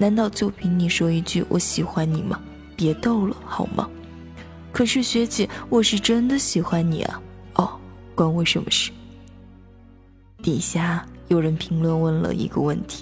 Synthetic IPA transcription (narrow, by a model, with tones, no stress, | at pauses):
na˧˥nt̪ɑ˥˧ʊt͡ɕjo˥˩ʊpʰi˧˥ŋni˨˩ʂwɔ˥i˧t͡ɕy̰˥˩wʔɔ̰˧˩ɕi˨˩xwa˦nni˨˩mɐ˦ | pjɛ˧˥t̪o˥˩ʊlə̰˩xɑ˨˩ʊmɐ̰˧˦ | kʰɤ˨˩ʂɻ̩˥˩ɕɥɛ˧˥t͡ɕɛ˨˩˦wɔ˨˩ʂɻ̩˥˩ʈ͡ʂə˥nd̪ə˨ɕi˨˩xwa˧˥nnḭ˨˩ɐ̰˦ɔ˥˩ | kwa˥nwe˥˩ɪʂə˧˥nmə˧ʂɻ̩˥˩ | t̪i˨˩ɕja˥˩jo˨˩ʊɻə˧˥npʰi˧˥ŋlwə˧nwə˥˩nlə̰˩ḭ˧˥ɡə˧wə˥˩nt̪ʰi̥˧˥